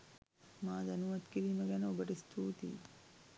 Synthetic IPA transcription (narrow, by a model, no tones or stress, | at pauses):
maːd̪ɐnuʋɐt̪kiɾiːmɐɡɛnɐobəʈist̪ʰuːt̪ḭ